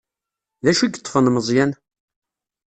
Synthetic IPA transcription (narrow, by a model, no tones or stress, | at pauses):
ðæʃiɡət̪ˤːfənməzˤjæn